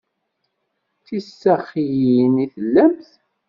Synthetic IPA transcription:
θisːæχijiniθəlːæmθ

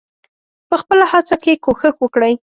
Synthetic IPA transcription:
pəxpəlahat͡sakekoxəxwəkɽəj

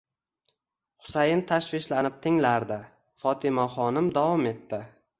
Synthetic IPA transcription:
χʊ̥sajɪnt̪ʰaʃvɪʃlanɪp̚t̪ʰɪŋlaɾd̪ɪ | fɒt̪ʰɪmaχɒnɪmd̪avɒme̞t̪ːɪ

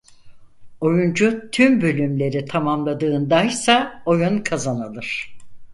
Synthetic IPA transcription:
o̞jund͡ʒut̪ʰymbø̞lʲymlʲe̞ɾit̪ʰamamlˠad̪ɯːnd̪ajsao̞junkʰazanalˠɯɾ̥

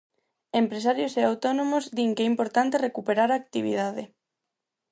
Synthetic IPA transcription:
empɾesaɾjoseawt̪onomozd̪iŋkɛimpoɾt̪ant̪erekupeɾaɾaːk̚t̪iβ̞ḭðaðe

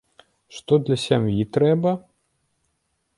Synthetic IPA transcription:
ʂt̪ɔd̪lʲɐsʲamjit̪ɾɛbɐ

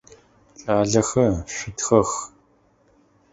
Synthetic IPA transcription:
t͡ʃʼaːɮɐxɐɕʷʊtxɐx

